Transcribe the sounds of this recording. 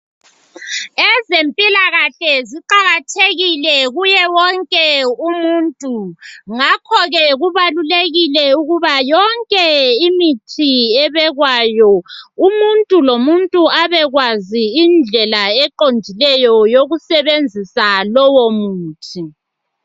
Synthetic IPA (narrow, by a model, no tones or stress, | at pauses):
ɛzempʼilaɣaɬɛziǃaɣatʰeɣilɛɣujɛwɔŋkʼɛumuntʼuŋakʰɔɣɛɣuβaluleɣilɛuɣuβajɔŋkʼɛimitʰiɛβɛɣwajɔumuntʼulomuntʼuaβɛɣwaziːnd͡ɮʱɛlaɛǃond͡ʒʱilɛjɔjoɣusɛβend͡zʱisalɔwomuːtʰi